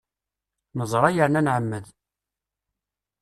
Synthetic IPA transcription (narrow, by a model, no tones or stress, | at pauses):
nəzˤɾˤɑjəɾnænʕəmːəð